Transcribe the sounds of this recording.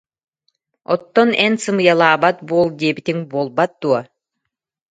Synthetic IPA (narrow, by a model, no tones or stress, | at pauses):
ɔt̪ːɔnɛnsɯmɯjalˠaːbat̪̚buɔlˠd̪iɛbit̪iŋbuːlˠbat̪̚d̪uɔ